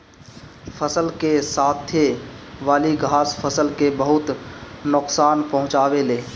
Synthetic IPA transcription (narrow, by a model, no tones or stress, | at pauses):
fʰəsəlkesaːt̪ʰːeʋaːliɡʱaːspʰəsəlkebəɦʊt̪nʊqsaːnpɐɦʊ̃t͡ʃaːweleː